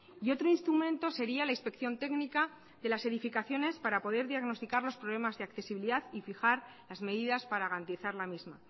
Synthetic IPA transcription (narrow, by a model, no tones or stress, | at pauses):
io̞t̪ɾo̞inst̪ɾumẽ̞nt̪o̞se̞ɾialainspe̞kθjo̞nt̪e̞knika | ðe̞lase̞ðifikaθjo̞ne̞spaɾapo̞ð̞e̞ɾðjaɣno̞st̪ikaɾlo̞spɾo̞β̞le̞mazðe̞akθe̞siβiliðaðifixaɾ | lazme̞ðiðaspaɾaɣaɾant̪iθaɾlamizma